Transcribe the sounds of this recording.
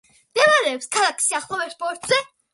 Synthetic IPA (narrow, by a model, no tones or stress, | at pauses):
md̪ɛvaɾɛːpskʰalˠakʰsiaχlˠɔvɛɾspɔɾt̪z̥ɛ